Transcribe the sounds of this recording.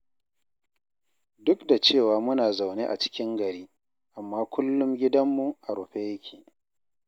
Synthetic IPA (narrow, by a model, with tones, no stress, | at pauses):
dʊ˦kda˨t͡ʃeː˦˨waː˨mʊ˦naː˨za˨wne˦ʔa̰˨t͡ʃɪ̥˦kʲɪ˦ŋɡɐ˨ɾiː˦ | ʔa˨mːaː˦kʷʰʊ˦lːʊ˦mɡʲɪ˦dɐ˦mːu˨ʔa˨ɾʊ˨ɸe˦jɐ˦kʲʰiː˨ʔ